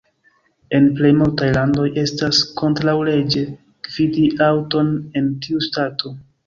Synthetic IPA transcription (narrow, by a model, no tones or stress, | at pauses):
e̞nple̞jmultajlando̞je̞stasko̞ntɾawle̞d͡ʒe̞ | kv̥idiʔawto̞ne̞ntiustatʰo̞